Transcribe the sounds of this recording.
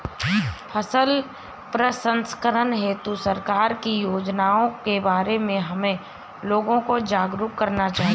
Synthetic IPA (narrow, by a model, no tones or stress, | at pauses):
pʰɐsəl | pɾəsə̃nskəɾənɦeːt̪usɐɾkaːɾkijoːd͡ʒnaːõkebaːɾemẽɦɐmẽ | loːɡõkod͡ʒaːɡɾuːkkːɐɾnat͡ʃaːɦi